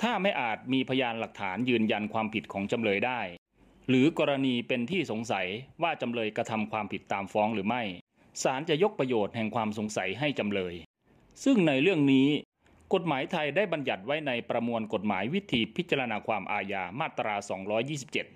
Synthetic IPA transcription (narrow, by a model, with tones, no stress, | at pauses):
t̪ʰaː˥˩ma˥˩jʔaː˨˩t̪̚miː˧pʰa˧jaː˧nla˨˩k̚t̪ʰaː˩˦njɯː˧nja˧nkʰwaː˧mpʰi˨˩t̪̚kʰɔː˩˦ŋt͡ɕa˧mlɤː˧jdaː˥˩j | ɾɯː˩˦kɔː˧ɾa˧niː˧pe˧nt̪ʰiː˥˩so˩˦ŋsa˩˦jwaː˥˩t͡ɕa˧mlɤː˧jka˧t̪ʰa˧mkʰwaː˧mpʰi˨˩t̪ːaː˧mfɔː˦˥ŋɾɯː˩˦ma˥˩j | saː˩˦nt͡ɕa˨˩ʔjo˦˥k̚pɾa˧joː˨˩t̪̚hɛ˨˩ŋkʰwaː˧mso˩˦ŋsa˩˦jɦa˥˩jt͡ɕa˧mlɤː˧j | sɯ˥˩ŋna˧jɾɯ˥˩əŋniː˦˥ | ko˨˩t̪̚maː˩˦jt̪ʰa˧jdaː˥˩jba˧nja˨˩t̪̚wa˦˥jna˧jpɾa˧mu˧ənko˨˩t̪̚ma̰ː˩˦jwi˦˥t̪ʰiː˧pʰi˦˥t̪̚t͡ɕa˧ɾa˧naː˧kʰwaː˧mʔaː˧jaː˧maː˥˩t̪ːɾaː˧sɔː˩˦ŋɾɔː˦˥jːiː˥˩s̬i˨˩p̚t͡ɕe˨˩t̪̚